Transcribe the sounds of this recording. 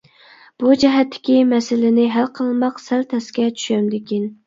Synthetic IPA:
b̥ud͡ʒɛɦɛt̪ʰːɪ̥kʲimɛsɪlɪnɪɦælqʰəlˠmɑqsælt̪ʰɛskʲɛt͡ʃʰy̥ʃɛmd̪ɪkʲin

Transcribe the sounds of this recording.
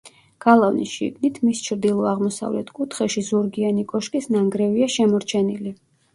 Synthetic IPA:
ɡ̥alˠavnisʃḭɡnit̪ʰmist͡ʃʰɾd̪ilˠɔaʁmɔsa̰vlɛ̰t̪ʰkʼut̪ʰχɛʃizuɾɡianikʼɔʃkʼisnaŋɡɾɛviaʃɛmɔɾt͡ʃʰɛnili

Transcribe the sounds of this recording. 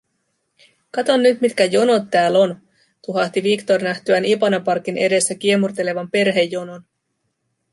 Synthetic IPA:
kɑt̪o̞nːyt̪mit̪kæjo̞no̞t̪ːæːlo̞n | t̪uɦɑht̪iʋikt̪ornæht̪yænipɑnɑpɑrkinʔe̞de̞sːækie̞murt̪e̞le̞ʋɑmpe̞rɦe̞jːo̞no̞n

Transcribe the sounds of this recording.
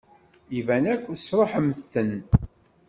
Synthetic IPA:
ivænækʷːsɾˤoħəmθːən

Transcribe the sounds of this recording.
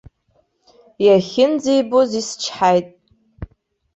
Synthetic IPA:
jaχʲɪnd͡zejbozist͡ʃʰħajtʼ

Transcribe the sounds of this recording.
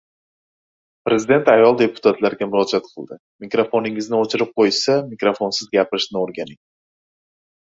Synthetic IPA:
pɾe̞zɪd̪e̞nt̪ajɒlˠd̪e̞pʰʊ̥t̪ʰat̪laɾɡʲamʊɾɒd͡ʒat̪qʰɨlˠd̪ɪ | mɪkɾofonɪŋɪznɪot͡ʃʰɪɾɪp̚qʰojsamɪkɾofonsɪzɡʲapɪɾɪʃnɪoɾɡʲanɪŋ

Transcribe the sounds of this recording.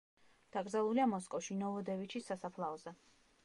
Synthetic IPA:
d̪̥aɡɾdzalˠuliamɔskʼɔfʃinɔvɔd̪ɛvit͡ʃʰisasapʰlˠaɔzɛ

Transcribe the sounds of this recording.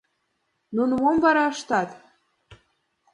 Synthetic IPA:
nunmomvɑɾɑɤʃt̪ɑt̪

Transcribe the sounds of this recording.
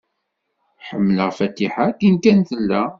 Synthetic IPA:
ħəmːələʁfæt̪ːiħakinkænθəlːæ

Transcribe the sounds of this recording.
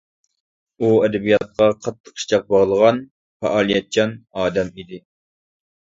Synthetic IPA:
uɛd̪ɛbijɑt̪̚qɑqʰɑt̪ʰːə̥qʃi̥t͡ʃʰɑq̚bɑʁlˠəʁɑn | fɛ̰ʔɑːlˠijɛt̪̚t͡ʃʰɑnɑːd̪ɛmid̪ɪ

